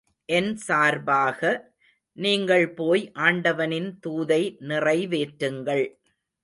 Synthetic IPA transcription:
ʔɛnsaːɾbaːɣɐ | niːŋɡɐɭpoːjʔaːɳɖɐʋɐnɪnt̪uːðɐɪnɪrɐɪʋeːʈɾɯŋɡɐɭ

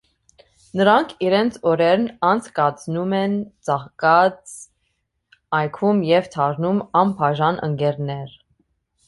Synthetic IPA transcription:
nəɾɑŋkʰiɾɛnt͡sʰɔɾɛɾnɑnt͡sʰkɑt͡snumɛnt͡sɑχkɑt͡s | ɑjkʰumjɛvt̪ʰɑɾnumɑmpʰɑʒɑnʔə̰ŋkɛɾnɛɾ

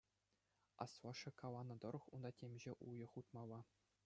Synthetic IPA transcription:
ɑ̰sʋɑʂɘ̆kɑlɑnːɤ̆d̪ɤ̆ɾɤ̆χund̪ɑtʲemʲʑeʔujɤ̆χut̪mɑlˠːɑ

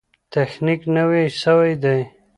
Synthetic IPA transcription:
t̪exniknəwesəwajd̪aj

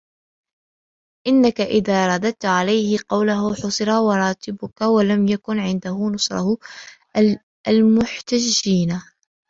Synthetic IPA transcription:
ʔɪnːakaʔɪðaːɾˤɑd̪at̪ʕalajhɪqɑwlaɦʊħʊsˤɨɾɑwɑɾˤɑːt̪ɪbʊkawalamjakʊnʕɪnd̪ahʊnʊsˤɾˤɑ̰hʊ | almʊħt̪ad͡ʒːiːna

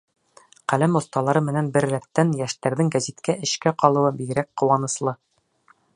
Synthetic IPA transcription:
qælæmŏθt̪ɑlˠɑɾɤmɘ̆nænbɘɾːæp̚t̪ænjæʃt̪æɾðɘŋɡæzit̪kæʔɘ̆ʃkæqɒlˠɤ̆wɤbiɡɘ̆ɾæk̚qŏwɑnɤ̆slˠɤ

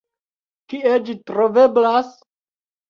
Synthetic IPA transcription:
kied͡ʒitɾo̞ve̞blas

